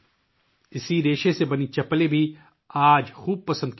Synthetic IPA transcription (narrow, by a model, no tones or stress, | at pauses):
ɪsiɾeːʃesebɐnit͡ʃɐpːlebʱi | aːd͡ʒxuːb̚pɐsə̃nd̪̚k